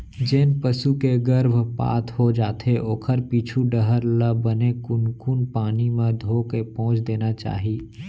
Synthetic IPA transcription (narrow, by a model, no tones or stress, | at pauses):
d͡ʒeːnpəsukeɡəɾbʱpa̰ːt̪ʰɦod͡ʒaːt̪ʰeʔoːkʰəɾpiːt͡ʃʰuɖəɦəɾləbənekʊnkuːnpaːnimẽd̪ʱoːkepɔ̃ːt͡ʃd̪eːnat͡ʃa̰ːɦiː